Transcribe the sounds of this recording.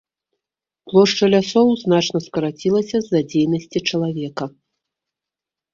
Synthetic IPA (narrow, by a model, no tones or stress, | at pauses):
plˠɔʂt͡ʂɐlʲasɔwznat͡ʂnɐskɐɾat͡sʲilˠɐsʲɐzːad͡zʲejnɐsʲt͡sʲit͡ʂɐlˠavʲɛkɐ